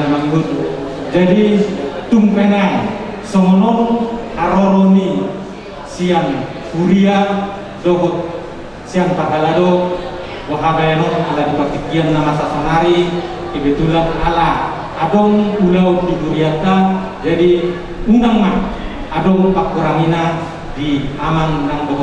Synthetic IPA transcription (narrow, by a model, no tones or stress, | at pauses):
maŋɡun | d͡ʒadit̪umpenai | sɔŋɔnɔŋhaɾɔɾɔni | siaŋ | huɾia | dɔɦɔt̪̚ | siaŋpaɡaladɔ | waɦaɡaanɔŋaladipat̪ikːianːamasasanaɾi | kebet̪ulanalaː | dɔŋulaundikuɾiat̪ːa | d͡ʒadi | unaŋma | adɔŋpakːuɾaŋina | diamaŋnaŋdɔɦ